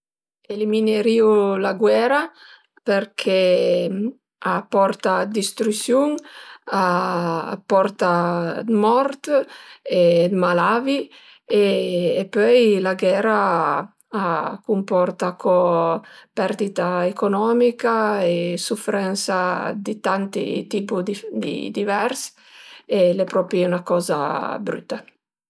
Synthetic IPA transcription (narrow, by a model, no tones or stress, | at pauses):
elimineɾiulaɡwɛːɾa | peɾkʰɛ | apːɔrt̪ad̪ist̪ɾusjuŋa̰ | pɔrt̪amɔɾt̪ | ed̪malaːvi | eːpːøjlaɡɛːɾa | akumpɔrt̪akʰɔ | pɛɾd̪it̪aekonɔmikaesufɾɛnsad̪it̪ant̪ḭt̪iːpud̪d̪ḭd̪ivɛɾs | elɛpɾɔpɾiunakɔːza̰bɾy̰t̪ːa